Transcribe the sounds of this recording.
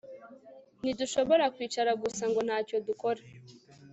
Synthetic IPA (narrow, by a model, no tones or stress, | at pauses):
niduʃo̞βo̞ɾakwiːt͡ʃaɾaɡusaŋɡo̞n̥haːco̞duko̞ɾa